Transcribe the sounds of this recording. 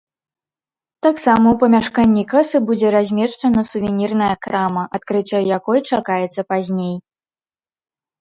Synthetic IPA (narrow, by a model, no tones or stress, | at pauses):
t̪aksamɐwpɐmʲaʂkanʲːikasɨbud͡zʲɛɾazʲmʲɛʂt͡ʂɐnɐsuvʲɛnʲirnɐjɐkɾamɐʔat̪̚kɾɨt͡sʲːɔjakɔjt͡ʂakajɛt̪sːɐpazʲnʲej